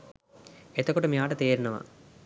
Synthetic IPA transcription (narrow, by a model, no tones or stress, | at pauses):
et̪ɐkːɐʈɐmjaːʈɐt̪eːɾunɐʋɐ̰